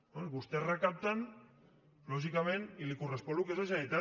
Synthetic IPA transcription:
onɡust̪erakap̚t̪an | loʃ̬ikamenilikurespolukezaʃ̬aðit̪a

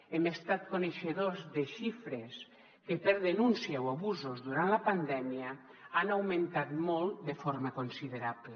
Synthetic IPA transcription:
emest̪at̪̚koneʃeðozðeʃifɾes | kepeɾðenunsjawaβuzozðuɾanlapand̪ɛmia | anawmẽnt̪at̪molˠd̪efoɾmakonsiðeɾaβle

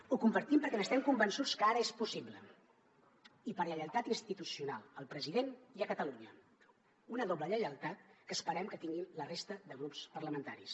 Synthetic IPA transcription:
ukumbəɾt̪impəɾkɛməst̪ɛmkumbənsut͡skəaɾəespusiβlə̰ | ipəɾʎəʎəlˠt̪at̪inst̪it̪usiunalˠəlˠpɾəziðeniəkət̪əluɲə | unəðɔbləʎəʎəlˠt̪at̪̚kəːspəɾɛmkət̪iŋɡinlərest̪əðəɣ̞ɾupspərləmənt̪aɾis

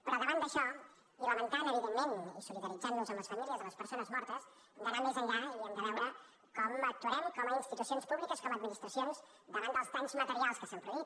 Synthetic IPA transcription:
pɾəβəɾand̪əʃɔ | iləmənt̪anəβiðelmenisuliðəɾid͡zannuzənləsfəmilˠiəzələspəɾsonəzmɔɾt̪əs | əmd̪əɾand̪əzəʎaiəmd̪əβɛwɾə | kɔmək̚t̪wəɾɛmkɔməinst̪it̪usionspuβlikəskɔməd̪minist̪ɾəsions | d̪əɾand̪əlˠst̪anzmət̪əɾialˠskəsampɾəβi

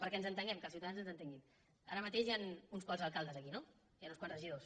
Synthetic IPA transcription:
pəɾkɛənzənt̪əŋɡɛmkəlˠsiwt̪aðanzənzənt̪eŋɡin | a̰ɾəmət̪eʒjanunskwanzəlˠkalˠd̪əzəkino | janunskwanzrəʒiðos

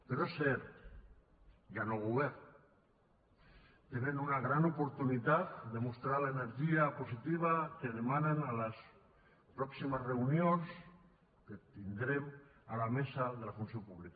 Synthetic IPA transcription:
peɾoseɾ | janoɣuβeɾn | t̪enenunaɣ̞ɾanopoɾt̪unit̪at̪̚d̪emost̪ɾaɾlaeneɾʒiaposit̪iβ̞akeð̞emanenalas | pɾɔksimazreunjons | ket̪ind̪ɾemalamesaðelafunsjopuβlika

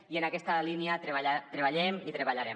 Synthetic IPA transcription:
iənakɛst̪aliniat̪ɾeβat̪ɾeβaʎemit̪ɾeβaʎaɾɛm

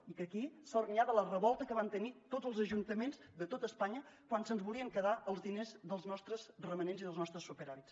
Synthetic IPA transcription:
ikəkisaurmiaβələrəβɔlˠt̪əkəβant̪ənit̪ozəlˠzəʒunt̪əmenzd̪ət̪ot̪əːspaɲəkwansənzβulˠiəŋkəðaʔəlˠzðinezðəlˠznɔst̪ɾəzrəmənenziðəlˠznɔst̪ɾəsːupəɾaβits

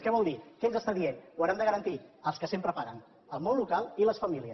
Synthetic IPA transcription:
kɛβ̞ɔlˠd̪ikɛənzəst̪aðienwəɾɛmd̪əɣəɾənt̪iəlˠskəsempɾəpaɾən | əlˠmonlukalˠiləsfəmiliəs

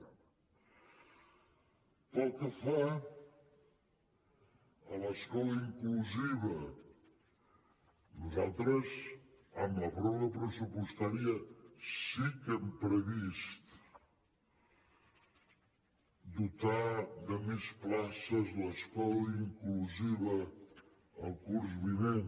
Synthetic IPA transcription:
t̪alˠkəfa | ələskɔləiŋkluziβɐ | nuzalˠt̪ɾəzamɐβɾowɾɐpɾəsupust̪aɾiəsikɛmpɾəβist̪ | d̪ut̪aðəmisplasəzləskɔləiŋkluziβəː | lˠkuɾzβinen

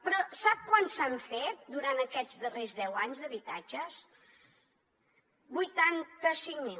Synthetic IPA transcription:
pɾɔsap̚kwansaɱfet̪̚d̪uɾant̪əkɛd͡zd̪ərezðɛwaɲzðəβit̪ad͡ʒəs | bujt̪ant̪əsiŋmi

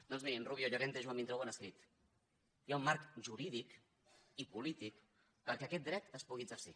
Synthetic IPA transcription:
d̪ɔnzmiinruβjoʎaɾent̪eʒwamint̪ɾowənəskɾit̪ | jaummaɾkʒuɾiðik | ipulit̪ik | kəlkeəkɛt̪̚d̪ɾɛt̪əspuɣiəzəɾsḭ

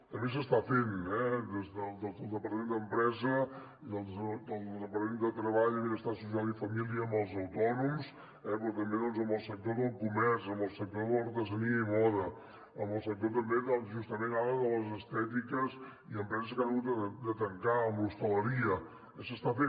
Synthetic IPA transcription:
t̪əmbes̬əst̪afenɛd̪ezðəlˠd̪əd̪əlˠd̪əpəɾt̪əmẽnd̪əmpɾɛzə | iðəlˠd̪zd̪əlˠd̪əzəpəɾt̪mend̪ət̪ɾəβaʎðeβəst̪asusialˠifəmiliəːmbəlˠzəwt̪ɔnums | ɛpɾɔt̪əmbeðɔnzəmbəlˠsək̚t̪oðəlˠkumɛɾzəmbəlˠsək̚t̪oðəluɾt̪əzəniəiβɔðə | əmbəlˠsək̚t̪ot̪̬əmbeðɔnzʒust̪əmenaəðələzəst̪ɛt̪̬ikəz | iəmpɾɛzəskanəɣut̪əd̪ət̪əŋkaəmblust̪ələɾiə | ɛsəst̪afe

